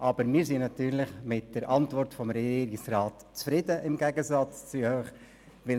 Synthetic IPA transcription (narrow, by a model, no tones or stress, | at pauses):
ʔɑbəɾmɪːɾsinnɑt̪yːɾlɪχmɪt̚d̥əɾʔɑntvɔrtfɔmɾɛiːɾɪksrɑːt | t͡sfɾɪdəʔɪmɡɛɡəzɑt͡st͡syhøχ | ʋɪ